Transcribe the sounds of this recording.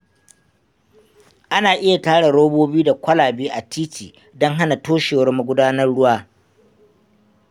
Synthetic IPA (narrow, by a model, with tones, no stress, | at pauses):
ʔa˦naː˨ʔɪ˦ja˨taː˦ɽe˨ɽoː˦boː˦biː˦da˨kʷɐ˦laː˨beː˦ʔa˨tʰiː˦tʰiː˨ | dɔ˦ŋɦa˦na˨toː˦ʃeː˨wɐ˦rma˨ɡʷʊ˦daː˦nɐ˦rɽʊ˦waː˦